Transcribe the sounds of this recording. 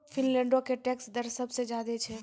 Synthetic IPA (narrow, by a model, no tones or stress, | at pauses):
fʰɪnlɛ̃ːɳɖokeʈɛːksd̪əɾsəbsed͡ʒjaːd̪et͡ʃʰɛ